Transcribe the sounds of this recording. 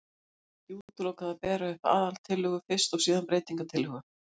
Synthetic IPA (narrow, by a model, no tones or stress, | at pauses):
iuːt̪ʏloːwkaðapɛːɾaɛfa̰ːðalt̪ʰɪlːʏɣʏfɪr̥st̪ɔwsiːðanpɾeːjt̪iŋkat̪ʰɪlʏɣʏ